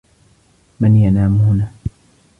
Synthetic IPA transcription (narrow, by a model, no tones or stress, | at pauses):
manjanaːmhʊnaː